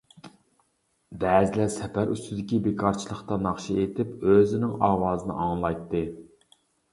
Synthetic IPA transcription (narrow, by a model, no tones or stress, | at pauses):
d̪ɛːzɪlæsɛpæɾʔyst̪ɪd̪ɪkʲibekʰɑɾt͡ʃʰilˠəχt̪ɑnɑχʃiet̪ʰɪpøzɪnɪŋɑːwɑːzɨnɨ̰ʔɑŋlˠɑjt̪ʰːɨ